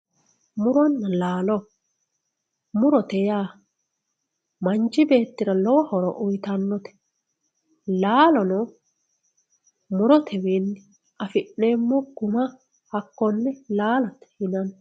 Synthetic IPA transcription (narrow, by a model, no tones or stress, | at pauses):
mʊɾɔnːɐlaːlɔ | mʊɾɔt̪ɛjaː | mɐnt͡ʃːɪbe̞ːt̪ːɪɾɐlɔwɐhɔɾɔ̰ʔʊjt̪ɐnːɔt̪ɛ̥ | laːlɔnɔ | mʊɾɔt̪ʰɛwinːɪ | ɐfɪʔːe̞ːmːɔɡ̥ʊmɐ | hɐkːɔnːɛlaːlɐt̪ɛ̥hɪnɐn